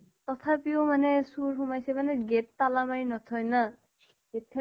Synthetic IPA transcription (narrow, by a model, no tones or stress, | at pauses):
t̪ɔt̪ʰapiomanɛsuɹɦumajsɛmanɛɡetːalamaɹinɔt̪ʰɔjna | ɡet̪ʰːɛ